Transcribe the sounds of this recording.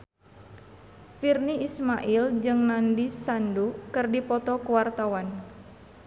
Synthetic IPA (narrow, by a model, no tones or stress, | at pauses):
firniismaʔild͡ʒɨŋnandisandukɨrdipɔt̪ɔkuwart̪awan